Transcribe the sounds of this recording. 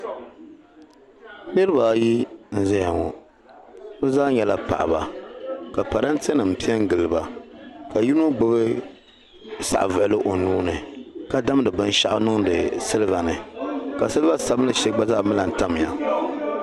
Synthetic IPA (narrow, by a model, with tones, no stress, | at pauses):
nɨ˦ɾɨ˦ba˨ji˦n̩˦zɛ˦ja˨ŋɔ˨ | bɨ˦zaː˦ɲɛ˨la˦pa̰˨ʔa̰˨ba˨ka˨pa˨ɾa˦n̩˦tɛ˦nɨ˨m̩˨pi˦ɛ˦ŋ˦ɡɨ˨lɨ˨ba˦ka˨ji˦nu˦ɡ͡bo˦bɨ˦ | sa̰˨ʔvɨ˨ʔlɨ˦ʔo˨nuː˦nɨ˨ka˦da˦m˦dɨ˨bɨ˦n˦ʃa˦ʔʊ˦nɨ˦ŋdɨ˨sɨ˦lba˨nɨ˨ka˨sɨ˦lva˦sa˨bɨ˦lɨ˦ʃɛ˦ɡ͡ba˦zaː˦˨mɨ˦la˨n̩˨ta˦m˨ja̰˨